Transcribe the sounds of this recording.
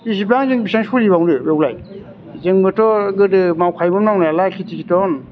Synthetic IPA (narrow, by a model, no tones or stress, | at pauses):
is̬ibaŋzɯŋbisaŋsulibawdɯbewla̰j | zɯŋbɯtɔɡɯdɯmawkʰajmɯmnawnalakʰitʰikʰitɔn